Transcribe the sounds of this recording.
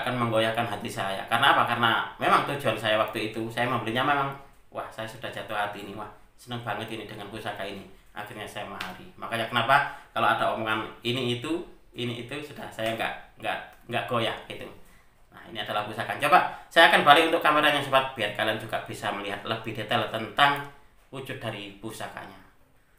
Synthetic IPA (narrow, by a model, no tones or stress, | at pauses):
akanməŋɡojakanɦat̪isaja̰karnaːpakarnamemaŋt̪ud͡ʒuansajawak̚t̪uit̪usajamambəliɲamemaŋ | wʔahsajasudahd͡ʒat̪uhɦat̪iːniwah | sənəŋbaŋət̪inidəŋanpusakainiʔa̰xirɲasajamaɦaɾimakajakənapakaloadaomoŋaniniːt̪u | iniːt̪usudahsajaŋɡa̰ʔŋɡa̰ʔ | ŋɡaʔɡ̥ojaʔɡit̪u | na̰hḭniadalahpusakant͡ʃobasajaːkanbalɪkunt̪ʊkːameɾanjaŋsupat̪̚b̥iarkaliand͡ʒuɡab̥isaməliɦat̪̚ləbihdet̪alt̪ənt̪aŋ | ud͡ʒʊt̪̚daɾipusaka̰ɲa